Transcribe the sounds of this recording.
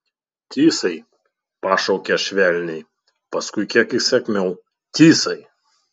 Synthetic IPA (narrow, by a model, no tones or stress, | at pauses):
t̪ʲiːsɐɪ | pɑːʃɐʊkʲɛʃʲʋʲæˑlʲnʲɛɪ | pɐskʊɪkʲiɛkɪsʲɛkʲmʲɛʊ | t̪ʲiːsɐɪ